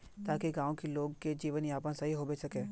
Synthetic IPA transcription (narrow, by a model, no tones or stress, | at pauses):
t̪aːkeɡãːõkiloːɡked͡ʒiːʋənjaːpãsɐɦiɦoːbesɐkẽː